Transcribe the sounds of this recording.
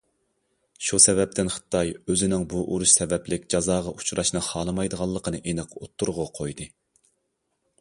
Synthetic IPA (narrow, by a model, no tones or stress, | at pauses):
ʃusɛvɛp̚t̪ʰɪnχə̥t̪ʰːɑjøzɪnɪŋbuʔuɾuʃsɛvɛplɪkʲd͡ʒɑzɑːʁɑʔut͡ʃʰɾʔɑʃnɨχɑːlˠɨmɑjd̪əʁɑlˠːəqʰənɨʔenɨqot̪ʰːuɾʁʊqʰojd̪ɨ